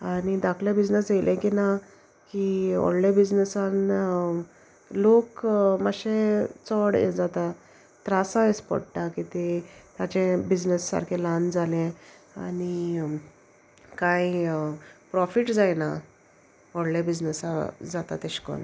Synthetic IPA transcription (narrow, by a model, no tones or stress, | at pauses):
anid̪akʰljabid͡znəsd͡zelʔɛ̃kina | kiɔ̰ɽlebid͡znəsan | lokmaɕet͡sɔɽɛ̰d͡zat̪a | t̪ɾasãespɔ̰ɽʈakit̪et̪at͡ɕẽbid͡znəsːa̰ɾkʰeland͡zʱalɛ̃ | a̰ni | kai | pɾɔfiʈd͡zajna | ɔɽlebid͡znəsad͡zat̪at̪ɛɕkɔ̰n